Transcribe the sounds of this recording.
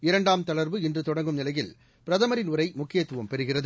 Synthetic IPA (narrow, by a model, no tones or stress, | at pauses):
ɪɾɐɳɖaːmt̪ɐɭɐɾʋɯɪndrɯt̪ɔɽɐŋɡɯmnɪlɐjɪl | pɪɾɐðɐmɐɾɪnʊɾɐɪmʊkːɪjɐt̪ːɯʋɐmpɛɾɯɣɪrɐðɯ